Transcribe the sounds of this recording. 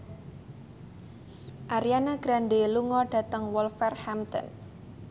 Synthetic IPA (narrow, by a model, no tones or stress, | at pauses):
ʔaɾianaɡ̥ɾaɳɖeluŋɔɖ̥a̤t̪əŋwɔlfɛrhamt̪ɔ̰n